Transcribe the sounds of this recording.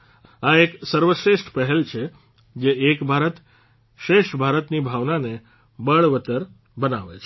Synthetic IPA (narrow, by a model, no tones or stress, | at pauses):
aeksəɾʋəʃɾeʃʈʰpəɦɛlt͡ʃʰe | d͡ʒeekbʱaɾət̪ | ʃɾeʃʈbʱaɾət̪nibʱaʋnane | bəɭʋət̪əɾ | bənaʋḛt͡ʃʰ